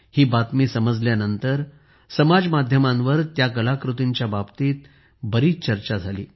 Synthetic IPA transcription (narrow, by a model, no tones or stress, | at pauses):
hiːbat̪miːsəməd͡zljanənt̪əɾ | səmad͡zmad̪ʱjəmãnʋəɾt̪jakəlakɾut̪iɲt͡ɕjababt̪iːt̪̚ | bəɾiːt͡st͡ɕəɾt͡ɕad͡zʱalḭː